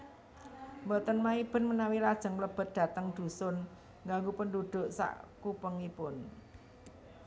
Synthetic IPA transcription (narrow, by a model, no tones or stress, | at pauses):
mbɔt̪ɔnmaib̥ə̤nmənawilad̥ʒ̥ə̤ŋləb̥ə̤t̪̚d̪̥ä̤t̪əŋd̪̥ṳsʊn | ŋɡaŋɡupənd̪ud̪̥ʊ̤ʔsa̰ʔkupəŋipʊn